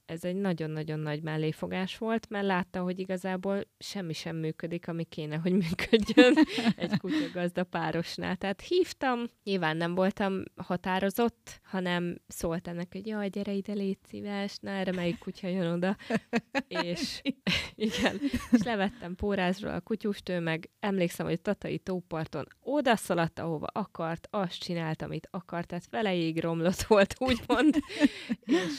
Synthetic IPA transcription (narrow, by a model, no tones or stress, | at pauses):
ɛzɛɟnɒɟo̞nːɒɟo̞nːɒɟmɛlːeːfo̞ɡaːʃʋo̞lt̪mɛrlaːt̪ːɒmɦo̞ɟiɡɒzaːboːlʃɛmːiʃɛmːyːkød̪ikɒmikeːnɛɦo̞ɟmyːkʰøɟːønɛckucɒɡɒzd̪ɒpaːɾo̞ʃna̰ːlt̪ɛɦːt̪hiːft̪ɒmɲilvaːnːɛɱvo̞lt̪ɒmhɒt̪aːɾo̞zo̞t̪ːhɒnɛmsoːlt̪ɛmnːɛkɛɟjɒɟɛɾɛjid̪ɛleːt̪sḭvaːʃnaːɾɛmɛjikːucʰɒjøno̞d̪ɒ | eːʃ | iɡɛneːʃlɛvɛt̪ːɛmpoːɾaːzro̰ʔɒ̰kucuʃt̪øːmɛɡɛmleːksɛmhoɟt̪ɒt̪ɒḭt̪oːpɒrt̪o̞̰no̞d̪ɒsɒlɒt̪ːɒ̰ho̞vɒ̰ʔɒkɒrt̪ɒst͡ʃinaːlt̪ɒ̰mit̪ʰɒkɒrt̪haːt̪ʋɛlɛjeːɡro̞mlo̞t̪ʋo̞lt̪uːɟmo̞nd̪ | eːʃ